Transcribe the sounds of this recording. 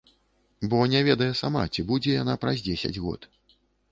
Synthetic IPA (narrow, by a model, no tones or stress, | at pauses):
bɔnʲɛvʲɛd̪ɐjɛsama̰t͡sʲibud͡zʲɛjanapɾazʲd͡zʲesʲɐ̰d͡zʲɣɔ̰t̪